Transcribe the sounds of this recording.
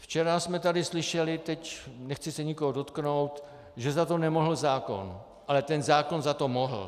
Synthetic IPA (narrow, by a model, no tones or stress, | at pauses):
ft͡ʃɛɾasmɛt̪adɪslɪʃɛlɪt̪ɛcnɛxt͡sɪsɛɲɪkoɦodo̞t̪kno̞wt̪ | ʒɛzat̪o̞nɛmoɦl̩zaːko̞̰n | ʔalɛt̪ɛnzaːko̞nzat̪o̞moɦl̩